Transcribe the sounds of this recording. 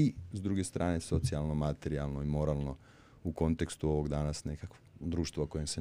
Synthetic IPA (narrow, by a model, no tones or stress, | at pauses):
izd̪ɾuːɡest̪ɾʔaːne̞so̞t̪sialˠno̞mat̪eɾialˠnoimo̞ɾaːlˠno̞ | uko̞nt̪e̞kst̪uo̞ʋo̞ɡd̪aːnasne̞kak | d̪ɾuːʃt̪ʋako̞jemse